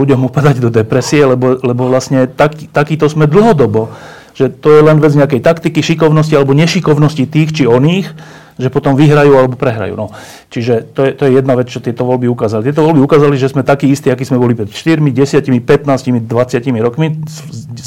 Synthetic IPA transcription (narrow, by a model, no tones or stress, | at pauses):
uɟɔmupad̪aɟd̪ɔd̪ɛpɾɛsiɛlɛbɔlɛbɔʋlasɲɛt̪akit̪akiːt̪ɔzmɛd̪l̩ɦɔd̪ɔbɔ | ʒ̥ɛt̪ɔjɛlɛnʋɛd͡zɲɛakɛjt̪akt̪ikiʃikɔʊnɔscialɛbɔɲɛʃikɔʊnɔscit̪iːxt͡ʃiɔniːx | ʒɛpɔt̪ɔmʋiɦɾajuːalɛbɔpɾɛɦɾa̰jṵːnɔ | t͡ʃiʒɛt̪ɔjɛt̪ɔjɛjɛd̪naʋɛt͡st͡ʃɔt̪ɪɛt̪ɔʋɔlbiukaːzalit̪ɛt̪ɔʋɔlbiukaːzaliʒɛzmɛt̪akiːist̪iakiːzmɛbɔlipɾɛt̪ʃt̪iɾmiɟɛsɪacimipɛt̪naːscimid̪ʋat͡sɪacimiɾɔkmi